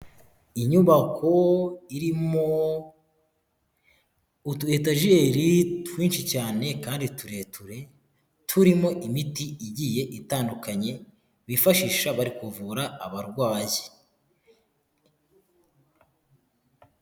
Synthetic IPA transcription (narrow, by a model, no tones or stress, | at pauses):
iɲuβakʰo̞iɾimo | utue̞ːt̬aʒieɾitwiːnʃicaːne̞kaːndituɾe̞tuɾe̞ | tʰuɾimo̞ʔimitiiɟije̞ʔitaːndukaɲe̞ | βifaʃiʃaβaɾikuvuɾaːβaɾɡwaːji